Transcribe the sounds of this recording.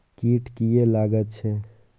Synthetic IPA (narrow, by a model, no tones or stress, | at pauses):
kiʈkijelaɡət̪t͡ʃʰɛ